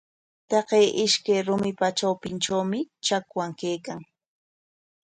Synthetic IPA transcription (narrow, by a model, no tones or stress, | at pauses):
t̪ɑqejʔɪʃkajɾʊmɪpat͡ʃawpɪnʈ͡ʂawmɪt͡ʃakwaŋkejkaŋ